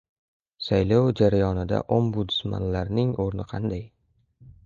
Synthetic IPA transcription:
sajlowd͡ʒaɾajɒnɪd̪a̰ʔombʊd̪ɪ̥sma̰nlaɾnɪŋoɾnɪqʰɑ̰nd̪aj

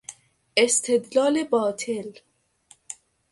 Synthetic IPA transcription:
est̪ʰe̞d̪lɒːlebɒːt̪ʰel

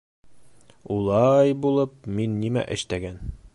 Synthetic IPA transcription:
ulˠɑjbulˠɤp̚minːimæ̰ʔɘ̆ʃt̪æɡæn

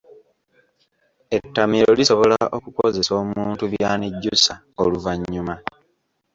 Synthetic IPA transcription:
e̞tːamiɾo̞liso̞βo̞laʔo̞kuko̞ze̞so̞ːmuːntuβjaːniɟːusa | oluvaɲːuma

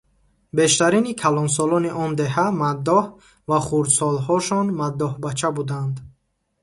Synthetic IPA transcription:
be̞ʃt̪aɾinikʰalɔns̬ɔlɔniʔɔnd̪e̞ɦamad̪ːɔh | vaχuɾd̪sɔlɦɔʃɔnmad̪ːɔhbat͡ʃʰabud̪and̪

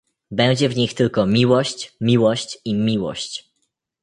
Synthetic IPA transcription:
bɛw̃d͡ʑɛvɲixt̪ɘlkɔmʲiwɔɕt͡ɕmʲiwɔɕt͡ɕimʲiwɔ̰ɕt͡ɕ

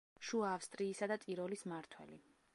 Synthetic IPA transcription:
ʃuaːfst̪ʼɾiːsad̪at̪sʼiɾɔlismaɾt̪ʰwɛ̰li

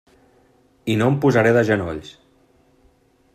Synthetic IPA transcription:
inompuzaɾeðəʒəno̰ʎs

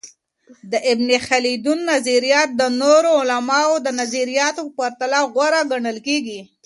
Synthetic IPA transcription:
d̪əʔɪbnixalid̪unːaziɾijɑt̪̚d̪ənoɾoʊlamɑod̪ənaziɾijɑt̪opaɾt̪alaɣwaɾaɡaɳəlkeɡi

